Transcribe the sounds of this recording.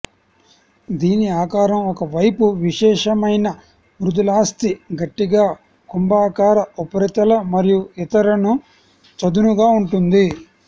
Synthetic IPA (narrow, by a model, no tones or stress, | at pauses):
d̪iːniaːkaːɾɐmɔkɐʋɐjpuʋiʂɛːʂɐmɐjnɐ | mɾud̪ulaːst̪iɡɐʈːiɡaː | kumbaːkaːɾɐupɐɾit̪ɐlɐmɐɾijuit̪ɐɾɐnu | t͡ʃɐd̪unuɡaːuɳʈund̪i